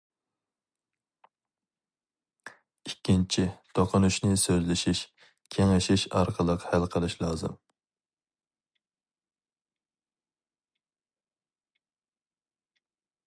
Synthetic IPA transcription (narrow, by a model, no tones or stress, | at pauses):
ikʲʰːint͡ʃʰit̪ʰoqʰʊnuʃnɪsøzlɪʃiʃ | kʲʰeŋɪʃiʃɑ̰ɾqʰəlˠəqhælqʰəlˠɨʃlˠɑːzɨ̰m